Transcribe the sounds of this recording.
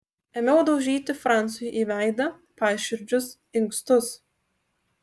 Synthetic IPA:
ɛmʲɛʊd̪ɐʊʒʲiːt̪ʲɪfɾɑnt̪sʊjʊʔiːʋʲæˑɪd̪ɐ | pɑːʃʲɪɾʲd͡ʒʲʊs | ɪŋkst̪ʊs

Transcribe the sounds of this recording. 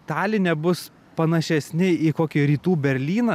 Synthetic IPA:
t̪ɑːlʲɪnʲɛbʊs | pɐnɐʃʲɛsʲnʲɪikoːkʲiɾʲiːt̪uːbʲɛɾʲlʲiːnɐ

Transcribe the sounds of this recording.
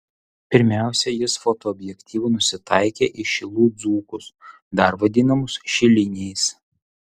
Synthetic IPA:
pʲɪɾʲmʲæˑʊsʲɛjɪsfɔt̪oɔɔbʲjɛkʲt̪ʲiːʋʊnʊsʲɪt̪ɑɪkʲeʔɪʃʲɪlˠuːd̪zuːkʊs | d̪ɐɾʋɐd̪ʲɪnɐmʊsʃʲɪlʲɪnʲɛɪs

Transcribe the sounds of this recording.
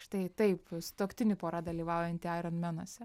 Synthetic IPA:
ʃt̪ɐɪt̪ɐɪpst̪oːkt̪ʲɪnʲɪpoːɾɑd̪ɐlʲiːʋɑˑʊjɛnʲt̪ʲɪɑɪɾonmʲɛnoɔsʲɛ

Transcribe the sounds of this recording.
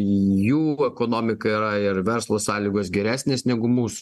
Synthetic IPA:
juːɛkoːnoːmʲɪkɐiːɾɐɪɾʋʲɛɾslˠoːsɑːlʲiːɡoːsɡʲɛɾʲæːsʲnʲeːsnʲɛɡʊmuːsʊ̥

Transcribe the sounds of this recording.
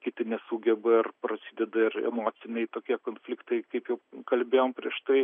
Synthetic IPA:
kʲɪt̪ʲɪnʲɛsuːɡʲɛbɐɪrpɾɐsʲiːd̪ʲɛd̪ɐɪrɛ̰moːt͡s̪ʲɪnʲɛɪt̪oːkʲiɛkoːnʲfʲlʲɪkt̪ɐɪkɐɪpjɛʊkɐlʲbʲeːjoːmpʲɾʲiɛʃt̪ɐɪ

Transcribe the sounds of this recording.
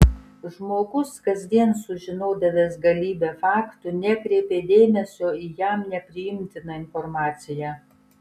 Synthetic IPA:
ʒmoːɡʊskɐzʲd̪ʲiɛnsʊʒʲɪnoːd̪ɐʋʲeːsɡɐlʲiːbʲeːfɑːkt̪ʊnʲɛkɾʲɛːpʲeːd̪ʲeːmʲɛsʲoːiːjæmnʲɛpʲɾʲɪjɪmʲt̪ʲɪnɐɪnfɔɾmɑːt̪sʲɪjæː

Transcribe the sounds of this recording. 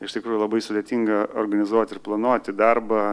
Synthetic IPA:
ɪʃtʲɪkɾuːjʊlˠɐbɐɪsʊd̪ʲeɛt̪ʲiːŋɡɐorɾɡɐnʲɪzuɔt̪ʲɪɾplˠɐnuɔt̪ʲɪd̪ɐrbɐ

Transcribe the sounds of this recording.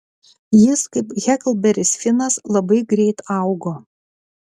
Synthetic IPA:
jɪskɐɪpɣʲɛklˠbʲɛɾʲɪsʲfʲɪnɐslˠɐbɐɪɡɾʲɛɪt̪ɐˑʊɡoː

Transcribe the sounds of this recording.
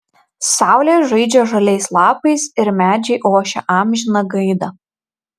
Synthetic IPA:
sɑˑʊlʲeːʒɐɪd͡ʒʲɛʒɐlʲɛɪslˠɑːpɐɪsɪɾmʲæːd͡ʒʲɛɪʔoːʃʲɛ̰ʔɑːmʲʒʲɪnɐɡɐɪd̪ɐ

